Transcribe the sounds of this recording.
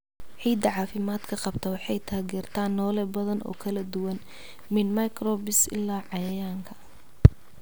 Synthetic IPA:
ʕiːd̪ɐʕɑːfɪmaːd̪kʰɐqɑbt̪ʰɐwɑħɑjt̪ʰaːɣɛːrt̪ʰaːnːɔːlɛbɐðɐnɔ̰ːkʰɐlɐd̪ʊwɐn | mɪnmɐkʰrɔːbɪsɪ̰lːaːʕɑjɐjaːŋkʰɐ

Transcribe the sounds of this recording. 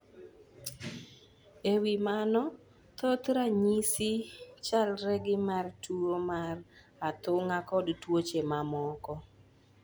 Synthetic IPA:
ewimanɔ | t̪ot̪ɾaɲisit͡ʃalɾɛɡɪmartuomar | at̪ʊŋakɔdtwot͡ʃemamɔkɔ

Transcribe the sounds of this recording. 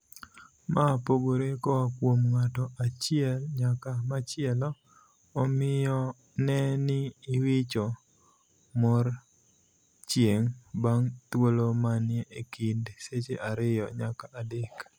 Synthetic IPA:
mapoɡoɾekɔwakwomŋatɔʔat͡ʃɪɛlɲakamat͡ʃɪɛlɔː | mɪjɔ | nɛnɪːwɪt͡ʃɔ | mɔr | t͡ʃjeŋbaŋt̪wolomanɪɛʔekindset͡ʃeʔaɾɪjɔ̰ɲakaʔadek

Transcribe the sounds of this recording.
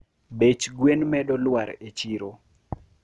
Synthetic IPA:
bet͡ʃɡwenmɛdɔlwaɾet͡ʃiɾo

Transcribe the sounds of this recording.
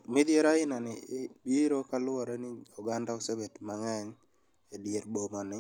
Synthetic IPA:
med̪jeɾaɪnanɪɪbiɾokalʊɔɾenɪuɡandaɔksabetmaŋaɲ | edjeɾbomɔnɪ

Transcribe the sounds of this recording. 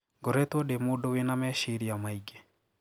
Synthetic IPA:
ɡoɾɛtwɔdemodowenamɛʃiɾiamaiɡe

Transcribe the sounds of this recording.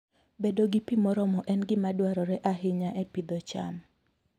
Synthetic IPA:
bedoɡipimɔɾɔmɔʔɛnɡɪmadwaɾɔɾɛʔaɦɪɲaʔɛpid̪ɔt͡ʃa̰m

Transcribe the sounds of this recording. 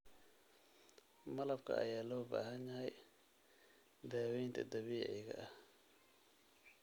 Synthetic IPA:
mɐlɐbkʰɐ̰ʔɐ̰jaːlɔːba̰ːɦɐnjɐɦɛj | d̪aːwɛjnt̪ʰɐ̰d̪ɐβiːʕɪ̰ɣɐ̰ʔɐ

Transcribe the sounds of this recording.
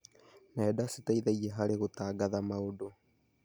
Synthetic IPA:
naɛdasitaiðaiɛɦaɾeɣotaːɡaðamaodo

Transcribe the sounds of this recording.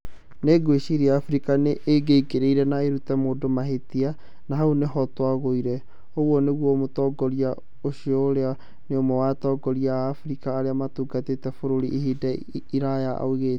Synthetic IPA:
neɡweɕiɾiaːfuɾikaneʔːɡeikeɾeiɾɛnaeɾutɛmoːdomaɦetia | naɦauneɦɔtwaɣoiɾɛ | oɣwɔneɣwɔmotɔɡɔɾia | oɕiɔoɾea | neomɔwatɔːɡɔɾiaːfɾikaːɾeamatuːɡatetɛfoɾoɾḭʔiɦidɛiɾajaʔa̰oɣe

